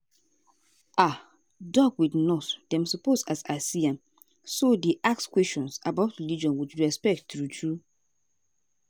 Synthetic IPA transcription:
ʔa | dɔɡwidnɔtdɛ̃msɔposasasiãm | sodeʔakskwɛst͡ʃɔ̃nsabaʊtɹilid͡ʒɔ̃nwit͡ʃɹɛspɛk̚ttɹutʰɹu

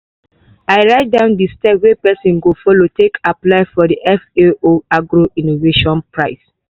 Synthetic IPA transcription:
aɪɹaɪt̚dãʊ̃ndistɛpwepɛsĩnɡofɔlotʰekʰaplaɪfɔdiʔɛfeoaɡɹoĩnoveʃɔ̃npɹaɪs

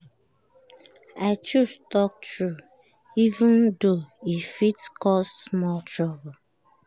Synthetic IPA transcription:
aɪt͡ʃustɔk̚tɹu | ivə̃ndoifitkɔssmɔltʰɹɔb

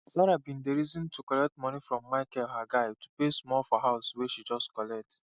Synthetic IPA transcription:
saɾabĩndeɹizɔ̃ntʰukɔlɛk̚tmɔ̃nifɹɔ̃mːaɪkɛɦaɡaɪtupesmɔlfɔɦaʊsweʃid͡ʒɔstkɔlɛk̚t

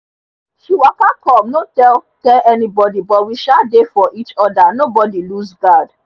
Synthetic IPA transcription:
ʃiwakakɔmnotɛlkɛʔɛnibɔdibɔwiʃadefɔʔit͡ʃɔdanobɔdiluzɡad

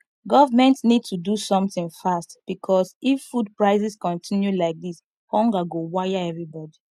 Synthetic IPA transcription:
ɡɔvamɛ̃ntnid̚tʰudusɔ̃mθɪ̃ŋfastb̥ikʰɔsifːud̚pɹaɪsiskɔ̃ntʰĩnjulaɪk̚dis | hɔ̃ŋɡaɡowajaɛvɹibɔdi

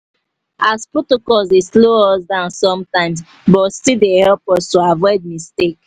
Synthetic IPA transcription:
aspɹɔtokɔlsdesloɔsdãʊ̃nsɔ̃mtãɪ̃ms | bɔstidehɛlpɔstoavɔɪd̚mistek̚

